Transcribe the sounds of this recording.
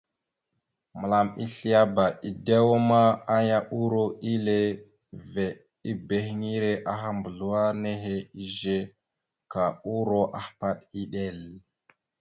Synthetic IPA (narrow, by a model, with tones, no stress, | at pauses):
mə˨la˨mi˦ɬi˦ja˦ba˨i˨da˦wo˦ma˦a˦ja˦ʔu˦ɾo˦ʔi˦le˦ | ve˨ | i˦be˨xŋi˦ɾe˦ʔa˦xa˦mbə˨ɮu˨˦wa˦ne˦ɦe˦i˦ʒe˦ | ka˨u˦ɾo˦ʔa˨hpa˦ɗi˦ɗe˦˨l